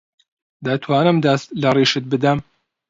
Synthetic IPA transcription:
d̪at̪ʰwaːnɨmd̪ast̪lɐriːʃɨt̪̚bɨd̪ɐm

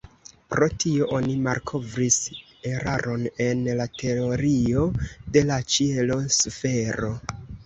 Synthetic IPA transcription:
pɾo̞tio̞ʔonimaɾkʰo̞vɾis | e̞ɾa̰ɾʔo̞ne̞nlatʰe̞oɾio̞de̞lat͡ʃielo̞sfe̞ɾo̞

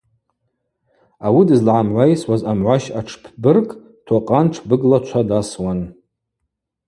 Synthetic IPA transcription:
awidɨzlʕamʕʷajswazamʕʷaʃaʈ͡ʂʰpʰbɨrkʼ | tʰaqʼanʈ͡ʂʰbɨɡlat͡ʃʷʰadaswan

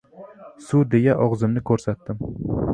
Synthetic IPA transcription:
sʊd̪e̞ɡaʔɒʁzɪmnɪkʰɵɾsat̪ːɪm

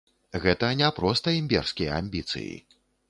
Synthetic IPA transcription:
ɣɛt̪ɐnʲapɾɔst̪ɐimʲbʲɛ̰rskʲijɐa̰mʲbʲit̪sɨ̰jḭ

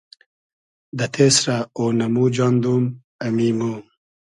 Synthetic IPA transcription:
d̪ɐt̪ʰeːsɾaoːnɐmuːd͡ʒɑːnd̪um | ɐmimuːm

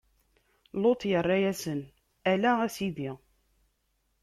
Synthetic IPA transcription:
lot̪ˤjərˤːɑjæsən | ælææsiði

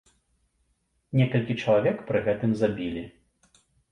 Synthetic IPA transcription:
nʲɛkɐlʲkʲit͡ʂɐlˠavʲɛkpɾɨɣɛt̪ɨmzabʲilʲi

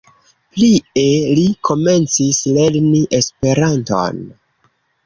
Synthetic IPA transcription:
plielikʰo̞me̞nt͡sisle̞ɾniʔe̞spe̞ɾanto̞̰n

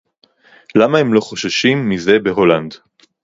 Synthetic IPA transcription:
lamahemlo̞χo̞ʃaʃimːize̞beɦo̞land

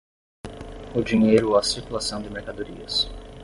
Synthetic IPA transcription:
ʊd͡ʒiɲejɾʊɐsiɾkulasɐ̃w̃d̪ɪmeɾkad̪oɾiɐs

